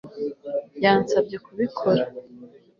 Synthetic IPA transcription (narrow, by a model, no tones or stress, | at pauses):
jaːnsab̚ɟe̞kuβikʰoɾa